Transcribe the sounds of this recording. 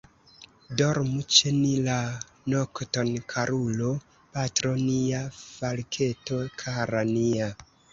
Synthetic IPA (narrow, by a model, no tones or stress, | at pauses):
doɾmut͡ʃenila | noktonkʰaɾulo | patɾoniafalkʰe̞to̞kʰaɾania